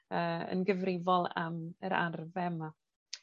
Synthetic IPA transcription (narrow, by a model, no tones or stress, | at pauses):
əːə̰nɡəvrɪvɔlˠaməɾa̰rvɛma